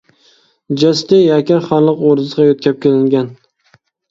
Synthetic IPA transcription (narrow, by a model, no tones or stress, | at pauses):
d͡ʒast̪ɪjakʲaɾχɑɾlˠɨqoɾɪzʁɑjot̪̚kʲʰap̚kʲelɪŋɡʲan